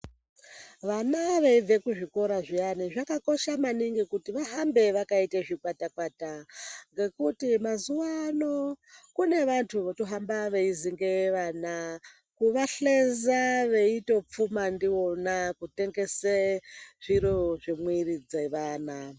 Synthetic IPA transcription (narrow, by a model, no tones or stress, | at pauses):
ʋanaʋe̞ive̞kuʐiko̞ɾaʐianiʐakako̞ʃamaniŋɡikutiʋaɦambe̞ʋakaiteʐikwatakwataŋɡe̞kutimazuwanokune̞ʋantʰuʋotoɦambaʋe̞iziŋɡeʋaːna | kuʋaɬe̞zaʋe̞ito̞p͡fumandio̞nakute̞ŋɡe̞seʐ̥iɾoʐimwirid͡zeʋaːna